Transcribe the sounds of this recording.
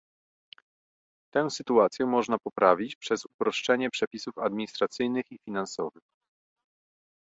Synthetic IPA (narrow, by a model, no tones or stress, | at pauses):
t̪ɛw̃sɘt̪uat̪sʲjɛmɔʐnapɔpɾavʲit͡ɕpʂɛsupɾɔʂt͡ʂɛɲɛpʂɛpʲisufad̪mʲiɲist̪ɾat̪sɘjnɘxifʲinansɔvɘx